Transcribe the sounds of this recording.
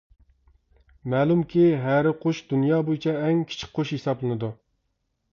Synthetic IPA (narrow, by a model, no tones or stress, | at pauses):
mɛːlˠumkʲʰiɦæɾɪqʰoʃd̪unjɑːbojit͡ʃʰɛɛŋkʲʰi̥t͡ʃʰi̥kqːʰoʃhesɑblˠɨnɨd̪u